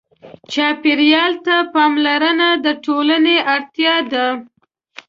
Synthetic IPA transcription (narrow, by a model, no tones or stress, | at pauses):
t͡ʃɑpeɾjɑlt̪apɑmlaɾənad̪əʈoləneʔaɽt̪jɑd̪a